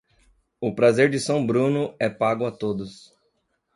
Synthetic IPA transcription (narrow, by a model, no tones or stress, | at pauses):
ʊpɾazeɾd͡ʒɪsɐ̃w̃bɾũnʊɛpaɡʊat̪od̪ʊs